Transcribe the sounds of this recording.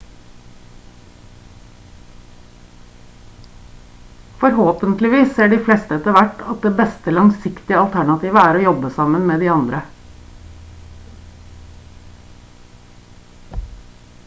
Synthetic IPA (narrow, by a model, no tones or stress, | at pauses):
fɔɾhoːpənt̪lɪʋiːsseːɖiːflɛst̪əɛt̪əʋæʈːɑt̪̚d̪eːbɛst̪əlɑŋsɪkt̪ɪəɑlt̪ʰæɳɑt̪ʰiːʋəæːɾoːjɔbəsɑmənmeːd̪iːɑnd̪ɾə